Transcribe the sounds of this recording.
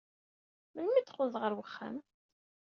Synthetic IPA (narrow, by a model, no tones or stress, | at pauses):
mənmiθqʊðˤʁəɾwəχːæ̰m